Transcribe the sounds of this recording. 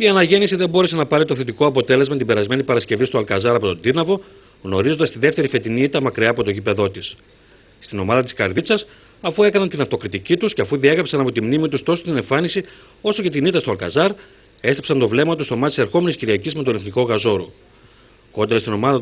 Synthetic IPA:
iɐnɐʝe̞nisiðembo̞ɾe̞se̞nɐpɐɾit̪o̞θet̪iko̞ɐpo̞t̪e̞le̞zmɐt̪ibe̞ɾɐzme̞nipɐɾɐsce̞vist̪oɐlkɐzɐɾɐpo̞t̪o̞nd̪inɐvo̞ | ɣno̞ɾizond̪ɐst̪iðe̞ft̪e̞ɾife̞t̪iniit̪ɐmɐkɾiɐːpo̞t̪o̞ʝipe̞ðo̞t̪is | st̪ino̞mɐðɐt̪i̥skɐ̰ɾðit͡sɐs | ɐfue̞kɐnɐnt̪inɐft̪o̞kɾit̪icit̪usce̞ɐfuðie̞ɣɾɐpsɐnɐpo̞t̪imnimit̪ust̪o̞sot̪ine̞ɱfɐnisi | o̞so̞ce̞t̪init̪ɐst̪oɐlkɐ̰zɐɾ | e̞st̪epsɐnt̪o̞vle̞mɐt̪ust̪o̞mɐt̪iseɾxo̞me̞nisciɾiɐcizmet̪o̞neθniko̞ɣɐzo̞ɾu | ko̞nd̪eɾɐst̪ino̞mɐðɐ

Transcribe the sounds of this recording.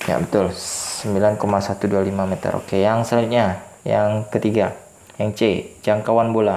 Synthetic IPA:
ja̰bət̪ʊlsəmbilankomasat̪udualimamet̪ə̰ɾʔo̰kejaŋsaut̪̚ɲajaŋkət̪iɡa | jaŋt͡ʃed͡ʒaŋkawanbola

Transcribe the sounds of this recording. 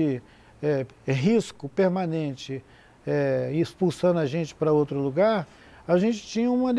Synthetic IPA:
ɪ | ɛ | ɦiskʊpeɾmanẽnt͡ʃɪ | ɛispuwsɐ̃nd̪ʊɐʒẽnt͡ʃɪ̥pɾɐowt̪ɾʊluɡaɾ | aʒẽnt͡ʃɪ̥t͡ʃĩɲɐũmɐd̪

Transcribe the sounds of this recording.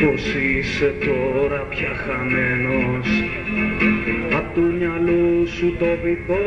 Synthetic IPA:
osiset̪oɾɐpçaxamenos | at̪uɲalusut̪ovito

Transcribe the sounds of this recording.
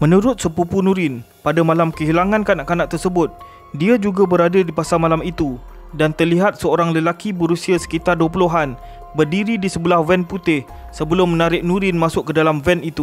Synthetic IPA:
mə̃nũɾʊt̪̚səpupunũɾɪn | padamalamkəɦilaŋãnkanaʔkanaʔ̚t̪ərsəbʊt̪̚ | diad͡ʒuɡabəɾadadipasamalamit̪u | dant̪ərliɦat̪̚səoɾaŋləlakiboɾusiasə̥kit̪arduəpuluɦan | bərdiɾidisəbəlahvɛnput̪ɪh | səbəlʊmːənaɾɪʔ̚nũɾɪnmãsʊʔkːədalamvɛnit̪u

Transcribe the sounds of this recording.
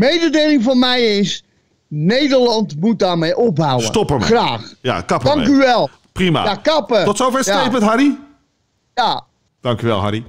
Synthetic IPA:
mejdədeːlɪŋfɔnmɛjɪs | nejdərlɑntmut̚daːɹmejʔɔp̚ɦawəstɔpəmɛ̰raːxja̰kɑpəɑŋkyʋɛlˠ | prima̰akɑpətɔtsowfɛɹsejpmətɦɑɾi | ja | d̥ɑŋkyʋɛ̰lˠɦɑ̰ɾi

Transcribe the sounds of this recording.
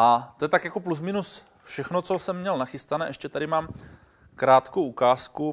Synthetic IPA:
ʔat̪ojɛt̪akjakoplus̬mɪnus | fʃɛxnot͡sosɛmːɲɛlnaxɪst̪anɛʔɛʃcɛt̪aɾɪmaːm | kɾaːt̪kowukaːsku

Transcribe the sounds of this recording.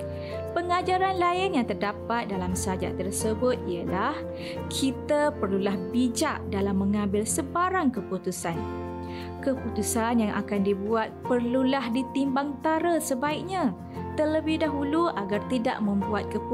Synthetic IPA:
pəŋad͡ʒaɾanlaɪnjaŋt̪ərdapat̪̚dalamsəad͡ʒa̰ʔt̪ərsəbʊt̪̚ijəlah | kʰit̪apərlulahbid͡ʒaʔdalamːə̃ŋãmbɪlsəbaɾaŋkəput̪usan | kəput̪usanjaŋʔa̰kandibuat̪̚pərlulahdit̪imbaŋt̪aɾasəbaɪk̚ɲã | t̪ərləbɪhdaɦuluaɡart̪ida̰ʔmə̃mbuat̪̚kəp

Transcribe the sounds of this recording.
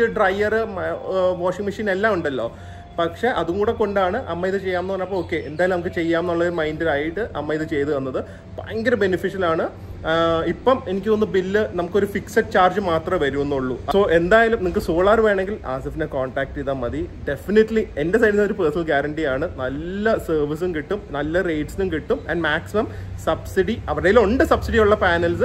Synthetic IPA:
ɨɖrɐjːɐrɨ | ʋoːʂiŋmiʂiːne̞lːaːmuɳɖɐlːo̞̰ː | pɐkʂe̞ʔɐðukuːɽe̞ko̞ɳɖaːɳɨʔɐmːɐjiðɨt͡ɕe̞jːaːmnːɨɐnːɐpːoɭoːkːe̞end̪aːjɐlumnɐmukːɨt͡ɕe̞jːaːmnuɭːɐoɾumɐjndɐɾaːjiʈːɨʔɐ̰mːɐiðɨt͡ɕe̞jt̪uʋɐnːɐðɨ | pa̰ːŋɡɐɾɐbe̞nifiʂɐlaːɳɨ | ipːɐme̞nikʲːɨonːɨbilːɨnɐmukːo̞ɾufiksɐt͡ɕaːrd͡ʑɨmaːt̪rɐmʋɐɾuunːuɭːuɐso̞ːʔe̞nd̪aːjalumnimukːɨsoːɭaːrʋeːɳe̞ŋɡila̰ːsɐfindekoːɳʈaːk̚ʈiðɐmːɐðiɖe̞finiʈːlie̞ndes̬ɐjɖisnɐðɾupeːsnɐlɡaːɾɐɳʈijaːɳɨnɐlːɐsɐːrʋis̬umkiʈːumnɐlːɐre̞jʈsinumkiʈːumɐ̰nɖmaːksimɐmsɐbsiɽiɐʋiɽejiloɳɖɨsɐbsiɽijuɭːɐpaːnɐlsɨ

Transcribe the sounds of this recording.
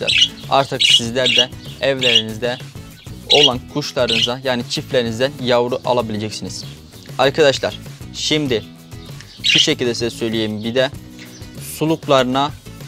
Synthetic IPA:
æ̰ɾa̰ɾt̪ʰɯksizlʲæɾd̪ɛɛvlʲeɾinizd̪ɛ | o̞lˠankʰuʃlˠaɾɯnɯzajaːnit͡ʃʰiflʲeɾinizd̪ænjavɾuʔa̰lˠabilʲed͡ʒɛcsiniz̥ | aɾkʰad̪aʃlˠaɾ̥ʃimd̪ɪ | ʃuʃecilʲd̪ɛsizɛsø̞jlʲijejimbid̪ɛ | sulˠuklˠaɾɯna

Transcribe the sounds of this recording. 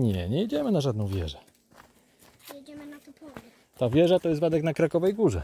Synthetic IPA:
ɲɛɲɛjid͡ʑɛmɘnaʐad̪nɔ̃w̃vʲjɛ̰ʐɛ | jd͡ʑɛmnat̪upɔ | t̪avʲjɛʐat̪ɔjɛst̪vad̪ɛknakɾakɔvɛjɡuʐɛ

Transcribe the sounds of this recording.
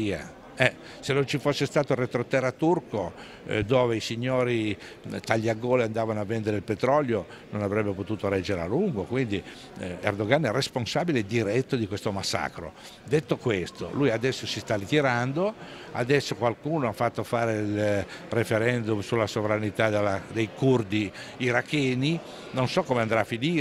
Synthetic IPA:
ia̰ | ɛ | senont͡ʃifosːest̪aːt̪orːet̪ɾot̪ɛɾat̪urko | d̪oːveisiɲːoːɾi | t̪aʎːiaɡoːliand̪aːvanoavːɛnd̪eɾeilpet̪ɾɔljo | nonavɾɛbːepot̪uːt̪oɾɛd͡ʒeɾea̰luŋɡokwind̪i | ḛrd̪oɡanɛresponsaːbiled̪iɾɛt̪ːod̪ikwest̪omasːa̰ːkɾo̰ | d̪et̪ːokwest̪o̰lujad̪ɛsːosist̪arit̪iɾand̪o | a̰d̪ɛsːokwalkuːnoafːat̪ːofaːɾeilrefeɾɛnd̪umsulːasovɾanit̪ad̪elad̪ejkurd̪iː | ɾakːɛːni | nonsɔkːomeand̪ɾaːfːiniː

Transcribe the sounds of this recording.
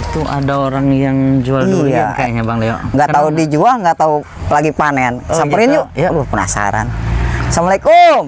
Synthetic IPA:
t̪uʔa̰daoɾaŋjaŋd͡ʒualdiuankajaɲabaŋleɔŋɡaʔt̪audid͡ʒuaŋɡat̪au | laɡipanensampəɾinjulupəna̰sa̰ɾa̰nsamalaiko

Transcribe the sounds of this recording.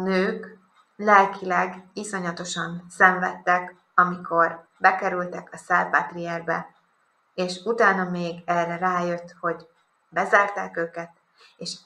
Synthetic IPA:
nøːk | lɛlkʰilɛɡiso̞ɲɒt̪o̞ʃɒnsɛɱvɛt̪ːɛk | ɒmikʰo̞r | bɛkɛɾylt̪ɛkɒsaːlpat̪riɛrbɛ̰ | eːʃut̪aːnɒmeːɡɛːrːɛraːjø̞t̪ːho̞ɟ | bɛzaːrt̪a̰ːkøːkɛt̪ | eːʃ

